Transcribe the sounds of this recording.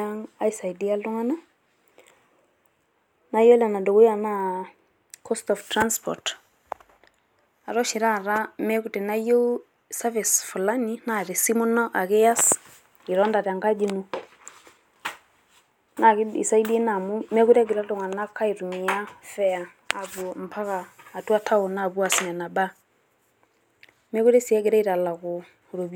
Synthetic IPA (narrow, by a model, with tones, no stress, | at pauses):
a˦ŋa˦i˨sa˨idi˦a˦lu˦ŋa˦na˦ | na˦jo˦la˨na˨do˨ɡu˦ja˨na˦ | kʰɔ˦stɔ˨ftɾa˦nspʰɔ̰˨ɾt | a˨ɾɔ˦ʃi˨ɾa˦˨ɾa˦mɛ˦ku˨tɛ˨na˦jo˦ | sa˦vi˨sfɔ˨la˦ni˦na˦ɾi˨si˦mɔ˦nɔ˦ʔa˨kɛ˦ja˦s | i˨ɾɔ˦nda˨ɾa˨ŋɡa˦d͡ʒi˦nu˦ | na˨kḭ˨sa˦i˦di˦e˦na˨mu˦mɛ˦ku˦ɾa˦ɡi˨ɾa˦do˨ŋa˨na˦kʰa˦i˨ɾu˨mi˨a˦fɛ˨a˨ | a˨βu˨m˨pʰa˦ɣaː˨tu˦a˦tʰa˦o˨na˨βu˦a˨si˨na˨na˨ba˦ | mɛ˦ku˦ɾɛ˦si˨ɛ˦ɡe˨ɾa˦i˦ɾa˨la˨ɣʊ˨ | ɾo˨b